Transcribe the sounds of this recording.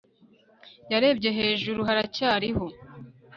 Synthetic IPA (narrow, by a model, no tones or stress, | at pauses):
jaɾe̞ːbɟe̞ɦe̞ːʒuɾuɦaɾacaːɾiho